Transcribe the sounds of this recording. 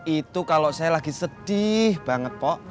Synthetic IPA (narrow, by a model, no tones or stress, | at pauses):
it̪ukaloʔsajalaɡ̥i̤səd̥ihb̥a̤ŋət̪̚pɔʔ